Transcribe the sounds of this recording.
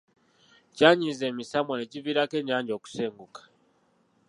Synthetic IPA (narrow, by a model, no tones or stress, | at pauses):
caːɲiːnze̞ːmisamoneciviːɾake̞ɲaːɲɟo̞ːku̥seːŋɡukḁ